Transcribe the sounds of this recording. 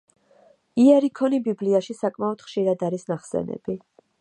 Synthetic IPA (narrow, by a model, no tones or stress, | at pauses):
iɛɾikʰɔnibibliaʃisakʼmaɔd̪̥χʃiɾad̪aɾisnaχsɛ̰nɛ̰b̥i